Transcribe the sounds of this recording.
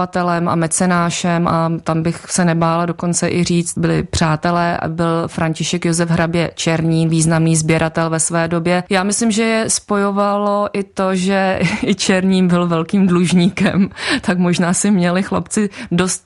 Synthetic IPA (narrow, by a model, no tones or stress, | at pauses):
at̪ɛlɛmʔa̰mɛt͡sɛnaːʃɛmʔat̪ambɪxsɛnɛbaːlado̞ko̞nt͡sɛʔɪriːt͡st̪̚bɪlɪ̰pr̥aːt̪ɛlɛːʔa̰bɪlfɾaɲcɪʃɛkjozɛvɦɾabjɛt͡ʃɛɾɲiːviːznamniːzbjɛɾat̪ɛlvɛsvɛːdo̞bjɛjaːmɪslɪmʒɛjɛspo̞jovalo̞ʔɪt̪o̞ʒɛɪt͡ʃɛɾɲiːmbɪlvɛlkiːmdluʒɲiːkɛmt̪akmo̞ʒnaːsɪmɲɛlɪxla̰pt͡sɪdo̞st̪̚